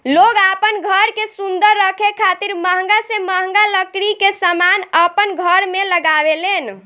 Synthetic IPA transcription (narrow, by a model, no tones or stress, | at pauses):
loɡapənɡʱəɾkesund̪əɾːəkʰekʰat̪iɾməɦəŋɡaseməɦŋɡaləkɾikesəmanəpənɡʱəɾmeləɡabelen